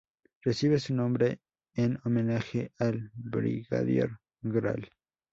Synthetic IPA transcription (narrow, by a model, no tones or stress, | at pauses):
resiβesunõmbɾe | enomenaxealbɾḭɣa̰ðjḛɾ | ɡɾa̰l